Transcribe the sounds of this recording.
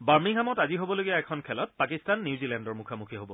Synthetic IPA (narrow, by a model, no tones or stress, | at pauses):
baɹmiŋɦamɔtaziɦobɔloɡijaɛkʰɔnkʰɛlɔt̚pakistanːjuzilɛndɔɹmukʰamukʰiɦobɔ